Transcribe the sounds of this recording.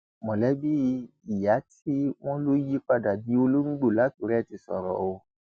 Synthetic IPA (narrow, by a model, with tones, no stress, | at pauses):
mɔ̃˨lɛ˨˦bi˦˧˦i˨ja˨˦tʰi˦w̃ɔ̃˦lo˦ji˦k͡pa˧da˨dĩ˨˦o˧lo˦ŋ͡m̩˦ɡ͡bo˦˨la˨˦tu˨˦ɾɛ˦ti˧sɔ̰˨ɾɔ̰˨o˧